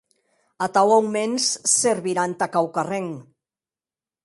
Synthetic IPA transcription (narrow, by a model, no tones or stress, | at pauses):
at̪awawmensːeɾβiɾant̪akawkareŋ